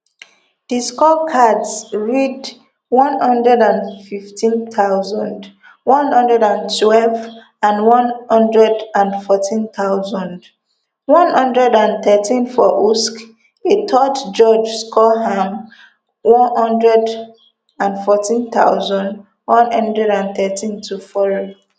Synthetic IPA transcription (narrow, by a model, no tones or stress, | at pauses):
d̥iskɔkʰadsɹid | wɔ̃nhɔ̃ndɹɛdãnfiftʰĩnt̪aʊzɔ̃nd | wɔ̃nhɔ̃ndɹɛdãntʰwɛlv | ãnwɔ̃nhɔ̃ndɹɛdãnfɔtʰĩnt̪aʊzɔ̃nd | wɔ̃nhɔ̃ndɹɛdãnθɛtʰĩnfɔʔusk | etʰɔtd͡ʒɔd͡ʒskʰɔham | wɔ̃nhɔ̃ndɹɛd | ãnfɔtĩnt̪a̰ʊzɔ̃nd | wɔ̃nhʌ̃ndɹɛɾãnθɛtʰĩntʰufɔɹo